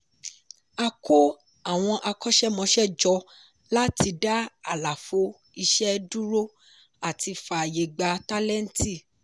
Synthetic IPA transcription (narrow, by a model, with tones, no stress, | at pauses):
a˧ko˦ | a˦˨w̃ɔ̃˧ʔa˧kɔ˦ʃɛ˦mɔ̃˧˦ʃɛ˦d͡ʒɔ˧ | la˦ti˧da˦a˦˨la˨fo˧˦ | i˧ʃɛ˦du˦ɾo˦ | a˦˨ti˧fa˨je˨ɡ͡ba˧ta˦lɛ˦n̩˦ti˦˨